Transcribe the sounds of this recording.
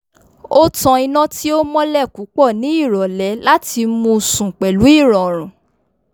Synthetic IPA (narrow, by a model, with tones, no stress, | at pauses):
o˦tɔ̃˧i˧nã˦ti˦o˦mɔ̃˦lɛ˦˨ku˨˦k͡pɔ˦˨nĩ˨˦i˦˨ɾɔ˨lɛ˨˦la˦ti˧mũ˧sũ˨k͡pɛ˨lu˨˦i˦˨ɾɔ˨ɾ̃ũ˨